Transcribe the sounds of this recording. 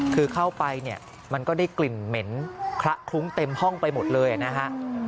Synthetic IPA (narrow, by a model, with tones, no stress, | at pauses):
kʰɯː˧kʰa˥˩wpa˧jni˥˩ɐ | ma˧nkɔː˥˩da˥˩jkli˨˩nme˩˦nkʰɾa˦˥ʔkʰlu˦˥ŋt̪e˧mhɔ˥˩ŋpa˧jmo˨˩t̪̚lɤː˧jʔa̰˨˩na˦˥kʰa˦˥ʔ